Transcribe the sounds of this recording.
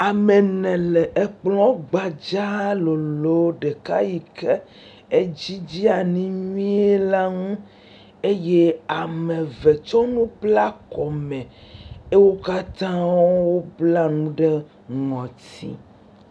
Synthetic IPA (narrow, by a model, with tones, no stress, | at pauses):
a˨me˨nɛ̃˨lɛ˨ʔe˨k͡plɔ̃˦ɡ͡ba˨d͡ʒa˦lo˨lo˨˦ɖe˨ka˦ji˨ke˦ | e˦d͡ʑi˦d͡ʑi˦a˨nĩ˦ɲũ˦ĩ˦e˦la˦ŋũ˦ | e˦je˦a˨mɛ̃˨ve˨t͡ʃɔ˦nũ˦bla˦kɔ˨mɛ̃˨e˦wo˦ka˦t̪ã˦wwo˦bla˦nũ˦ɖe˦ | ŋɔ̃˨t̪ḭ˦